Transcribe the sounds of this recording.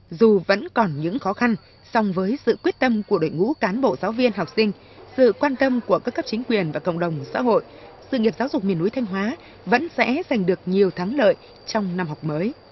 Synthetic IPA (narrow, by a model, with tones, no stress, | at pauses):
zu˨˩və̰˧˥nkɔ˨˩nɲɨ̰˧˥ŋxɔ˨˦xa˧n | sɔ˧wŋ͡mvəː˨˦jsɨ̰˧˨kwi˦˥ət̚t̪ə˧mku˧˩əɗo̰˧˨jŋṵ˧˥kaː˨˦nɓo̰˧˨zaː˨˦wvi˧ənɦa˨˩wk͡p̚sï˧ŋ̟ | sɨ̰˧˨kwaː˧nt̪ə˧mku˧˩əkaː˦˥kːə˦˥p̚t͡ɕï˨˦ŋ̟kwi˨˩ənvaː˨˩kə̰˧˨wŋ͡mɗə˨˩wŋ͡msa̰ː˧˥ɦo̰˧˨j | sɨ̰˧˨ŋi˨˩əp̚zaː˨˦wzʊ˨˩k͡p̚mi˨˩ənʔu˨˦jt̪ʰa˧jŋ̟ɦwaː˨˦ | və̰˧˥nsɛ̰˧˥za˨˩jŋ̟ɗɨ˨˩ək̚ɲi˨˩əwt̪ʰaː˨˦ŋlə̰ː˧˨j | t͡ɕɔ˧wŋ͡mna˧mhɔ˨˩k͡p̚məː˨˦j